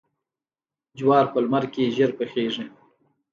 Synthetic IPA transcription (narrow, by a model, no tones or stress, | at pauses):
d͡ʒwɑːɾpəlmaɾkeʒəɾpəxeʐi